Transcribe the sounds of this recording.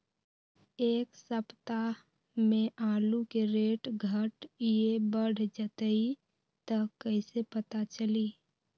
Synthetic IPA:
eːksəpt̪a | mẽʔaːlukeɾeːʈɡʱəʈjebəɽ̤d͡ʒət̪əi | t̪əkəɪsepət̪at͡ʃəli

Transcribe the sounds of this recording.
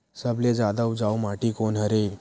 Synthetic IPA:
səbled͡zad̪əwd͡zawmaʈiːkonɦəɾel

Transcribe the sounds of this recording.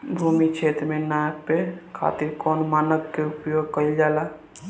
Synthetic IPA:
bʱuːmit͡ʃʰeːt̪ɾmenaːjəkpekʰa̰ːt̪iɾkɔːnmaːnəkːeupjoːɡ̚kəld͡ʒaːlaː

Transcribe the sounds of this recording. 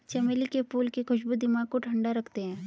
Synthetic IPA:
t͡ʃɐmeːlikepuːlkikʰʊʃbud̪ɪmaɡ̚koʈʰɐ̃ɳɖaɾɐkʰt̪eɦɛ̃ː

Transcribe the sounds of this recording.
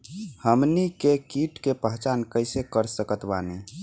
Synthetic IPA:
həmnikekiʈkepəɦt͡ʃankəɪsekəɾsəkət̪bani

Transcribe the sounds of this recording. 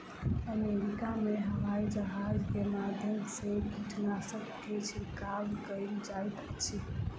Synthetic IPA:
əmeɾikameɦəʋaid͡ʒəɦad͡ʒkemad̪ʱjənsekiʈʰnasəbkʰet͡ʃʰikalkəjld͡ʒajt̪əkt͡ʃʰi

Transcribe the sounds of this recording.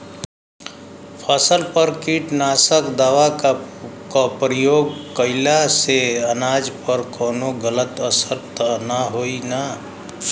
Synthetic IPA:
pʰasəlpəɾkiːʈnaːsəkd̪aːʋa | kopɾijoːɡ̚kəɪlaseənaːd͡ʒpəɾkoːnoɡələt̪əsəɾt̪naɦoːina

